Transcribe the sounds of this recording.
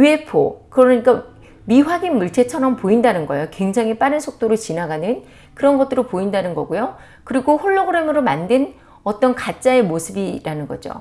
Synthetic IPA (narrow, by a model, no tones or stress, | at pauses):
epʰo̰kɯɾʌɲik͈a | miɸwaɡinmuɭtʰe̞t͡ɕʰʌnʌmpoindanɯnɡʌ̰jokwe̞ŋd͡ʑaŋip͈aɾɯnsʰok̚t͈oɾɯɭt͡ɕinaɡanɯn | kɯɾʌnɡʌt̚t͈ɯɾopoindanɯnɡʌɡujo | kɯɾiɡoɸoɭːoɡɯɾe̞mɯɾomandwen | ʌt͈ʌnkat͡ɕ͈ae̞mosʰɯbiɾanɯnɡʌd͡ʑo̰